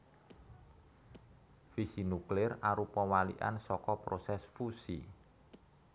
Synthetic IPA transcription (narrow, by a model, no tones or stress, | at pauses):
fisinuklɪraɾupɔwalḭʔa̰nsɔkɔpɾosɛsfusḭ